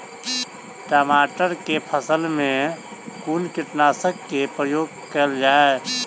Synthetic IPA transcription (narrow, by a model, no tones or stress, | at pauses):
ʈaːmaːʈəɾkepʰəsəlmẽkuːnkɪʈnaːsəkːepɾəjoːɡ̚ | kəld͡ʒaːe